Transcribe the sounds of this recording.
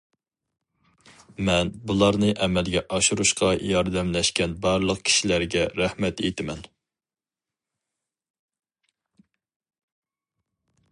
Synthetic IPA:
mɛnbulˠɑɾnɨʔɛmɛlɡʲɛʔɑʃuɾuʃqɑjɑɾd̪ɛmlɛʃkʲɛnbɑɾlˠəq̚kʲʰi̥ʃilæɾɡʲɛɾæhmɛt̪ḛt̪ʰɪmɛn

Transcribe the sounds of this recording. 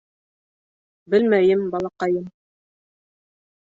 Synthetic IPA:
bɘlmæjɘmbɑlˠɑqɑjɤm

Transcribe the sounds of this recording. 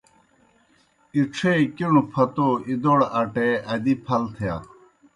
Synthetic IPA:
iʈ͡ʂʰekiɳupʰɐt̪oid̪oɽɐʈeɐd̪ipʰɐlt̪ʰja̰

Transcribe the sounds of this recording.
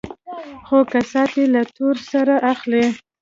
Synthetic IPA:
xokasɑt̪elat̪oɾsaɾaʔaxle

